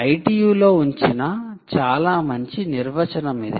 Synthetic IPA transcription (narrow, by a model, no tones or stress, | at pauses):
ɐjʈiːjuːlo̞ːuɲt͡ʃinɐt͡ʃaːlaːmɐɲt͡ʃiniɾʋɐt͡ʃɐnɐmid̪i